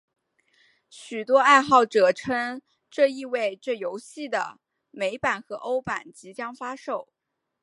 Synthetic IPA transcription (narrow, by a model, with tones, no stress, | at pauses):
ɕy˨˩t̪wɔ˥a˥˧ɪxɑ˥˩ʊʈ͡ʂɤ˨˩ʈ͡ʂʰɤ˥ŋ | ʈ͡ʂɤ˥˧i˥˧we˥˧ɪʈ͡ʂɤ˥˩jo˧˥ʊɕi˥˩d̪ə̰˩ | me˧˥ɪpa˨˩nxɤ˧˥ʔo˥ʊpa˨˩nt͡ɕi˧˥t͡ɕjɑ˥ŋfa˥ʂo˥˩ʊ